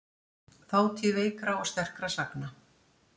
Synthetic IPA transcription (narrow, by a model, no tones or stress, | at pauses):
θaːwt̪ʰjɛveːjkɾawɔst̪ɛr̥kɾasakna